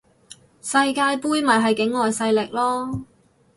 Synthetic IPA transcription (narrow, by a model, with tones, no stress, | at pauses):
sɐ˧jkaː˧jpuː˥jmɐ˨˩jɦɐ˨jkɪ˨˥ŋːɔː˨jsɐ˧jlɪ˨k̚lɔː˥